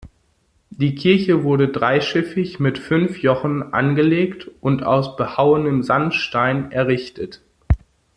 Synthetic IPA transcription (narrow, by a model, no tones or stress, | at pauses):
d̥iːkʰɪɐçəvʊɐɾədʁaɪʃɪfɪçmɪtfʏnfjɔχn̩ʔa̰nɡəleːktʔʊnta̰ʊsb̥əhaʊənəmzantʃtaɪnɛɐʁɪçtʰət